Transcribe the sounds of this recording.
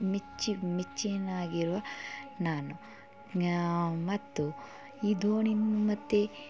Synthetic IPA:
mit͡ʃːimit͡ʃːinaːɡiɾuʋɐnaːnu | mɐt̪ːu | id̪oːɳinumɐt̪ːe

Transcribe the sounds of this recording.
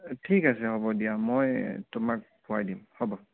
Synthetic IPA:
tʰikasɛhɔbɔdijamojtʊmak̚bʱʊajdimhɔbɔ

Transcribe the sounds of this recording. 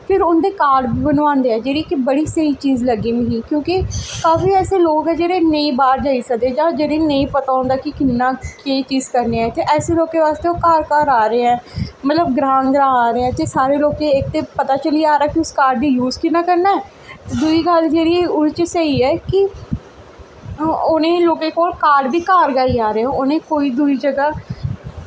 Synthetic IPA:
pʰɪɾʊnd̪eːkaːɖbiːbənʋãːnd̪eːɛːd͡ʒeːɾiːkɪbəɽiːsəiːt͡ʃiːzləɡiːmeɦĩːkjõːkikaːfiːɛːseːloːkɛːd͡ʒeːɾeːnəĩːbaːɾd͡ʒaːisək̚d̪eːd͡ʒãːd͡ʒeːɽeːnəĩːpət̪aːõːnd̪aːkikɪnːãːkeːt͡ʃiːzkəɾneːɛ̃ːt̪eːʔɛːseːloːkeːʋaːst̪eːoːkaːɾkaːɾaːɾeːɛ̃ːmət̪ləbɡɾãːŋɡɾãːaːɾeːɛ̃ːt̪eːsaːɾeːloːkẽːɪk̚t̪eːpət̪aːt͡ʃəliaːɾaːkiʊskaːɾɖd̪iːjuːzkɪnːaːkəɾnaːɛː | t̪ed̪ʊiːɡəld͡ʒeːɽiːʊɽt͡ʃsəiːɛːkɪ | ʊnẽːloːkeːkoːlkaːɾɖbiːkaːɾɡaːiːaːɾeːɛ̃ʊnẽːkoːiːd̪ʊiːd͡ʒəɡaː

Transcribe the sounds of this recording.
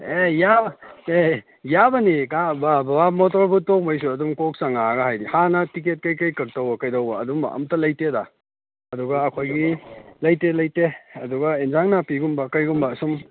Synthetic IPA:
ejae | jabɐnikababɐbamotoɾbutok̚majs̬uɐdumkok̚saŋaɡɐɦajdihanɐtik̬et̚kɐjkɐjkɐk̚tɐwbɐkɐjdɐwbɐːdum̰ɐ̰mtɐlɐjteda | ɐduɡɐːkʰojɡilɐjtelɐjteɐduɡɐinzaŋnɐpiɡumbɐkɐjɡumbɐsum

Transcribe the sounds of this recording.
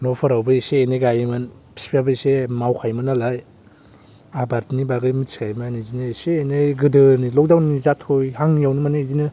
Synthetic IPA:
nopʰɯɾawbɯiseːneɡajmɯnpʰi̥spʰabɯisemawkʰajmɯnalaj | abaɾtʰnibaɡɯmɯsʰi̥kʰajmanizinɯiseːneɡɯdɯnilɔk̚dawnizatʰojhaŋjawnɯmaneizinɯ

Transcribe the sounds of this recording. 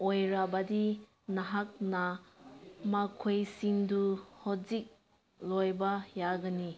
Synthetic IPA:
ojɾabadi | naɦak̚na | makʰojsiŋduhɔzik̚ | lojbajaɡɐni

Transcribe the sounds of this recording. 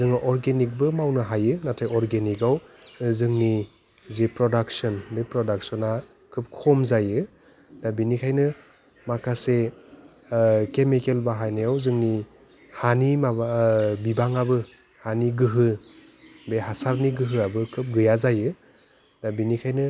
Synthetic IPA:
zɯŋɯʔɔɾɡenik̚bɯmawnɯɦajɯnatʰajɔɾɡenikawzɯŋni | zepɾɔdak̚sɔnbepɾɔdak̚sɔna | kʰɯp̚kʰɔmzajɯ | dabinikʰajnɯ | makʰase | kemikelbaɦajnajawzɯŋni | hanimaabibaŋabɯ | haniɡɯɦɯ | beɦasaɾniɡɯɦɯabɯkʰɯp̚ɡɯjazajɯ | dabinikʰajnɯ

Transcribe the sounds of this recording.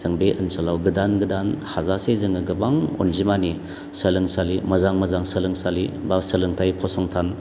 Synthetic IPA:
zɯŋbeʔɯnsɔlawɡɯdanɡɯdanhazasezɯŋɯɡɯbaŋo̰nzimani | səlɯŋsalimɐzaŋmɐzaŋsəlɯŋsalibasəlɯŋtʰajpʰɔsɔŋtʰan

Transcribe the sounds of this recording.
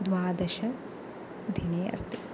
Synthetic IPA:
d̪ʋaːd̪ɐʃɐ | d̪ʱineːʔɐ̰st̪i

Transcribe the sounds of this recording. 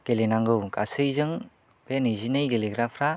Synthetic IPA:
kelenaŋɡɯwka̰sɯjzɯŋ | penɯzinɯjɡeleɡɾapʰɾa

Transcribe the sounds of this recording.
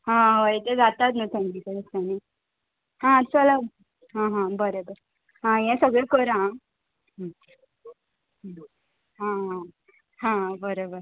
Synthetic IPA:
ɦãʋəjt̪ed͡zat̪at̪nət̪ʰɛ̃ŋkisəɾəst̪ani | ɦãt͡ɕəla | ɦãɦãbəɾobəɾ | ɦãjɛ̃səɡɭekəɾã | ɦ | ɦãɦã | ɦãbəɾobəɾ

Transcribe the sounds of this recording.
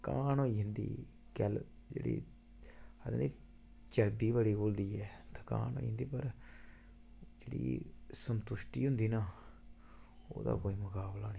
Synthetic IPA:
kaːnoːiːɦɪnd̪ḭː | kɛl | d͡ʒḛːɽḭː | əd̪niː | t͡ʃəɾbiːbəliːɡoːld̪iːɛːt̪aːkã̰ːno̰ːḭɦnd̪iːpəɾ | d͡ʒeːɽḭːsənt̪ʊʃʈiːɦʊnd̪iːnaː | o̰ːd̪a̰ːkoːiːmʊkaːblaːni

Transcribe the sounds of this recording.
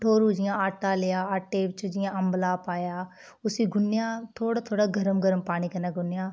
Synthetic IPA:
ʈʰoːɾuːd͡ʒɪjãːaːʈaːlejaːaːʈːeːʋt͡ʃd͡ʒɪjãːəmblaːpaːjaː | ʊsiːɡʊnjãːt̪ʰoːɽaːt̪ʰoːɽaːɡəɾəmɡəɾəmpaːɽ̃iːkənaːɡʊnɪjãː

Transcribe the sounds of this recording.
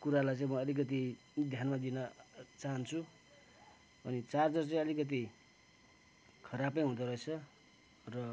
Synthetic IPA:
kuɾalajt͡saĩmʌʌlikʌt̪i | d̪ʱjanmad̪inʌt͡saɦʌnt͡sʰu | ʌnit͡sard͡zʌrt͡sʌĩʌlikʌt̪̬i | kʰʌɾapʌj̃ɦũd̪ʌɾʌet͡sʰʌ | rʌ

